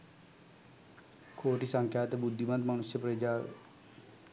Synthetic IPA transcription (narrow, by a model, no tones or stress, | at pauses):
kʰoːʈisə̃ŋkʰjaːt̪ebʊd̪ʱːimə̃nd̪mənʊsjəpɾəd͡ʒa̰ː